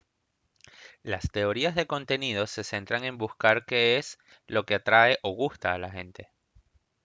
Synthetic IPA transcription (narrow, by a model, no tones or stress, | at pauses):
last̪e̞o̞ɾiazðe̞ko̞nt̪e̞nið̞o̞se̞se̞nt̪ɾaŋe̞mbuskaɾke̞es | lo̞ke̞at̪ɾae̞ʔo̞ɣust̪aːlaxe̞nt̪e̞̥